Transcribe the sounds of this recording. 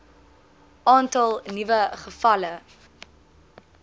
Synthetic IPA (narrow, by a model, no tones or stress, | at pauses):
ɑːntɐlˠnivəχəfɐlə